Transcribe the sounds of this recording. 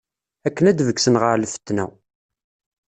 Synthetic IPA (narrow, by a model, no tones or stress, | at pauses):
ækːənæd̪vəksənʁəɾlfə̥t̪ːnæ̰w